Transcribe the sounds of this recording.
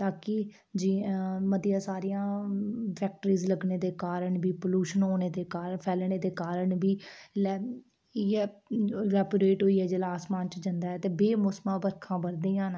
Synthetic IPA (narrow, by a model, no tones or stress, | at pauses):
t̪aːkɪ | d͡ʒiməd̪ijãːsaːɾijãːpʰɛːk̚ʈɾiːzləɡneːd̪eːkaːɾəɳbiːpoluːʃənɦoːneːd̪eːkaːɾpʰɛːlɳeːd̪eːkaːɾəɳbiːlɛ | iɛːɾɛːpəɾeːʈɦoːiːɛːd͡ʒelaːsmãːnt͡ʃd͡ʒənd̪aːɛːt̪eːbeːmʊsmãːbəɾkʰãːbəɾd̪ĩːãːn